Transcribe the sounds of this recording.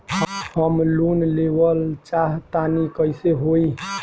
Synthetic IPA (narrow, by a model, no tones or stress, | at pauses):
həpʰəmlunlebəlt͡ʃaɦt̪anikəjseɦoi